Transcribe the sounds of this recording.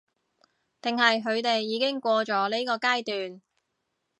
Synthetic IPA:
t̪ɪ˨ŋɦɐ˨jɦɵ˨˧ɥt̪e˨jːiː˨˧˥kɪ˥ŋkʷɔː˧t͡sɔː˨˥le˥jkɔː˧kaː˥jt̪yː˨n

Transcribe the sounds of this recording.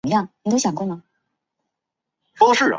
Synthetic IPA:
jɑ˥˩ŋni˨˩o˥ɕjɑ˨˩ŋkwɔ˥˩nmɐ˩ | ʂɔ˥ʂɻ̩˥˩

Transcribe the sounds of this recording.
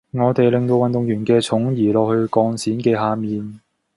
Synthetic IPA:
ŋɔː˨˧t̪e˨jlɪ˨ŋt̪o˧wɐ˨nt̪ʊ˨ŋjyː˨˩nkɛː˧t͡sʰʊ˨˥ŋjiː˨˩lɔː˨k̚hɵ˧ɥkɔː˧ŋsiː˨˥nkeː˧ɦaː˨˧miː˨n

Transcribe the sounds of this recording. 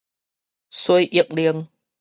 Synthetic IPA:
su˧əjʔi˧˩ək̚li˧əŋ

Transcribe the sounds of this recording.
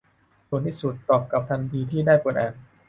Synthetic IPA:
su˨˩ənt̪ʰiː˥˩su˨˩t̪ːɔː˨˩p̚ka˨˩p̚t̪ʰa˧ntʰiː˧t̪ʰiː˥˩daː˥˩jku˧nʔɛː˧n

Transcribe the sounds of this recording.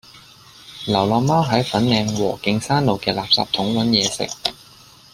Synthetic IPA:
lɐ˨˩wlɔː˨˩maː˥wɦɐ˨˥jfɐ˨˥nŋɛː˧ŋwɔ̰ː˨˩kɪ˧ŋsaː˥nlo˨wkɛː˧laː˨p̚sa̰ː˧p̚t̪ʰʊ˨˥ŋwɐ˨˥njɛː˨˧sɪ̰˨k̚

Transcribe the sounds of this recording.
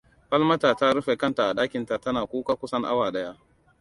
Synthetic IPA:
ɸɐ˦lmɐ˦taː˨ta˦ɾʊ˦ɸe˨kɐ˦nta˨ʔa˨ɗaː˦kʲɪ˨nta˨tɐ˦naː˨kʷuː˦kaː˦kʷʊ˦sɐ˦ŋʔa̰˦waː˨ɗɐ˦jaː˦

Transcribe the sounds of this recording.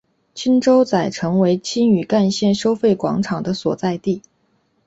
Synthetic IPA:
t͡ɕʰi˥nʈ͡ʂo˥ʊt͡sa˨˩ɪʈ͡ʂʰɤ˧˥ŋwe˧˥ɪt͡ɕʰi˥ny˨˩ka˥˧nɕjɛ˥˩nʂo˥ʊfe˥˩ɪkwɑ̰˧˥ŋʈ͡ʂʰɑ˨˩ŋd̪ə˦swɔ˨˩t͡sa˥˧ɪt̪i˥˩

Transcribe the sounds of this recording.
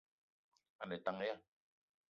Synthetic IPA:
a˨nɛ˨ta˨ŋ˦ja˦

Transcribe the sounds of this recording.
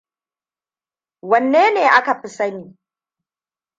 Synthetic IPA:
wɐ˨nːeː˦neː˨ʔa˦ka˨ɸɪ˦sɐ˦niː˨

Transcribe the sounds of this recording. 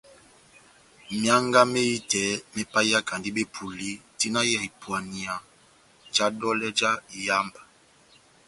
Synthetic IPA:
mja˦ŋɡa˦me˦ji˦tɛ˨˦mɛ˦pa˦a˦ka˨ndi˦be˦pʰu˨li˦ti˦na˦ja˨i˨pwa˨ni˨a˨ | d͡ʒa˦dɔ˦lɛ˦d͡ʒa˦˨ja˦mba˨

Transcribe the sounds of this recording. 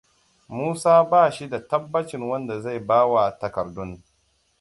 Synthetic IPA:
muː˦saː˦baː˦˨ʃi˦da˨tɐ˦bːɐ˦t͡ʃɪ˨ŋwɐ˦nda˨za˦˨jbaː˦wa˨tɐ˨kɐ˨rdʊ˦n

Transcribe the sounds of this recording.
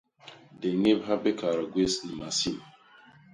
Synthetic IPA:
de˨ŋe˦bɦa˦be˦ka˨ɾa˨ɡʷe˦sni˨ma˨si˦˨m˨

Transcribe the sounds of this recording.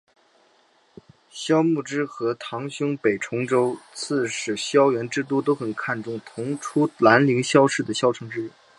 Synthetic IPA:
ɕjɑ˥ʊmu˥˩ʈ͡ʂɻ̩˥xɤ˧˥t̪ʰɑ˧˥ŋɕjʊ˥ŋpe˨˩ɪʈ͡ʂʰʊ˧˥ŋʈ͡ʂo˥ʊt͡sʰɹ̩˥˩ʂɻ̩˨˩ɕjɑ˥ʊjɥɛ˧˥nʈ͡ʂɻ̩˥t̪̬u˥˩t̪o˥ʊxə˨˩nkʰa˥˧nʈ͡ʂʊ˥˩ŋt̪ʰʊ˧˥ŋʈ͡ʂʰu˥la˧˥nli˧˥ŋɕjɑ˥ʊʂɻ̩˥˩d̪ə˩ɕjɑ˥ʊʈ͡ʂʰɤ˧˥ŋʈ͡ʂɻ̩˥i˥˩

